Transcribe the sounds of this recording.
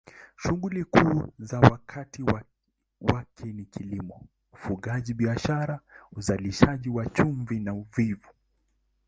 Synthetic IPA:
ʃuɡulikuːzawakʰatiwa | wakʰɛnikʰilimɔ | ufuɠaʄiɓiaʃaɾauzaliʃaʄiwat͡ʃuɱvinauvivu

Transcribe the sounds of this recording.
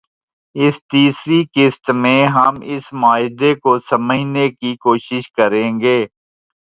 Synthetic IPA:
ɪst̪iːsɾikɪst̪mẽɦɐmɪsmaːɪd̪ekosɐməd͡ʒnekikoːʃɪʃkəɾẽːŋɡeː

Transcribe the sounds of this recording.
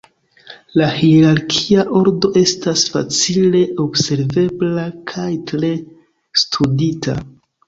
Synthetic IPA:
lahiɾaɾkʰiaʔo̞ɾdo̞ʔe̞stasfa̰t͡sile̞ʔo̞bse̞ɾve̞blakʰajtɾe̞ | stʰuditʰa̰

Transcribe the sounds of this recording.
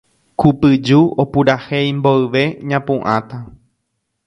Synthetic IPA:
kupɨd͡ʒuopuɾahejmboɨʋe̞ɲãpũʔãt̪a

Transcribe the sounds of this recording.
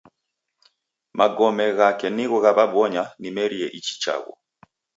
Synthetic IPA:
mʔaɡɔmɛɣakɛniɣɔɣaβabwɔɲanimɛɾiɛʔit͡ʃi̥t͡ʃa̰ɣṵ

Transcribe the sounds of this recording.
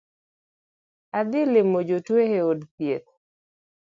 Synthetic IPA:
ad̪ɪlɪmod͡ʒotweheodpjet̪̚

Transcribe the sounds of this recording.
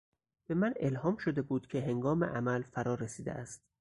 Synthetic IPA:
b̥e̞mænelhɒːmʃod̪e̞buːd̪̥cʰe̞ɦe̞ŋɡɒːmḛʔæmælfæɾɒːɾesiːd̪eʔæst̪

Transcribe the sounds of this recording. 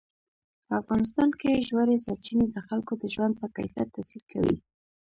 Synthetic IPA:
pəafɣɑnɪs̬t̪ɑnkeʒwaɾesaɾt͡ʃined̪əxalkod̪əʒwand̪̚pəka̰jfijat̪ːasilkawḭ

